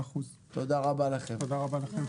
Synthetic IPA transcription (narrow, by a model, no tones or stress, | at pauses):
aχuz | t̪o̞d̪aʁabalaχe̞mod̪aʁabalaχem